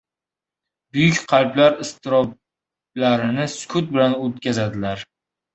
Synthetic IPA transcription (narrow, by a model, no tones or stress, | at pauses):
bʊjʊkʲqʰɑlblaɾɪst̪ɪɾɒb̚ | laɾɪnɪsʊ̥kʰʊt̪̚bɪlanot̪̚kʲazad̪ɪlaɾ